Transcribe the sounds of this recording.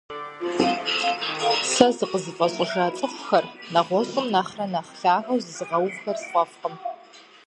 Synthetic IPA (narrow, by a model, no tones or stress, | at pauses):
sɐzɨqəzɨfʼɐɕʷʼɪʒaːt͡sʼɨfʷxɐrnɐʁʷɔɕʼɨmnaχrɐnɐχɬaːrɐwzɨzɨʁɐwbxɐrsχʷɐfqəm